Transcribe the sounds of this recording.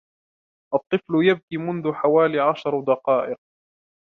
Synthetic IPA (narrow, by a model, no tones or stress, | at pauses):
ʔɑt̪ˤːɨflʊjab̚kiːmʊnðʊħawaːliːʕaʃɑɾˤd̪ɑqɑːʔɪq̚